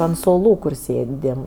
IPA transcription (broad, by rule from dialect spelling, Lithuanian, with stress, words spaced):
ɐnt suɔˈlˠuː ˈkʊr ˈsʲeːˌdʲɪm